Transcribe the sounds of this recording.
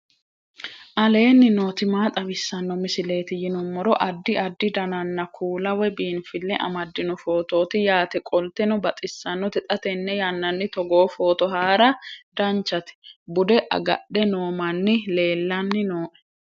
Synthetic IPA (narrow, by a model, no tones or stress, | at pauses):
ʔɐle̞ːnːɪnoːt̪ɪmaːt̪ʼɐbɪsːɐnːɔmɪsɪle̞ːt̪ɪjɪnʊmːɔɾɔʔɐd̪ːɪɐd̪ːɪd̪ɐnɐnːɐkʰuːlɐwɛbiːnfɪlːɛʔɐ̰mɐd̪ːɪnʊfo̞ːt̪o̞ːt̪ɪjaːt̪ɛkʼɔlt̪ɛnʊbɐt̪ʼɪsːɐnːʊt̪ɛt̪ʼɐt̪ɛnːɛjɐnːɐnːɪt̪ɔɡoːfo̞ːt̪ɔɦaːɾɐd̪ɐnt͡ʃːɐt̪ɪ̥bʊd̪ɛʔɐ̰ɡɐ̰ɗːɛnoːmɐnːɪle̞ːlːɐnːɪnoːʔɛ̥